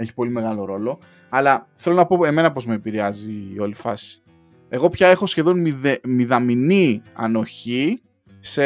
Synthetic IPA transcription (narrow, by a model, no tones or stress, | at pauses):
e̞çi̥po̞lime̞ɣɐlo̞ɾo̞lo̞ | ɐlɐθe̞lo̞nɐpo̞e̞me̞nɐpo̞zme̞piɾeɐzio̞lifɐsi̥ | e̞ɣo̞pçɐe̞xo̞sçe̞ðo̞nmiemiðɐminiɐ̰no̞çi | se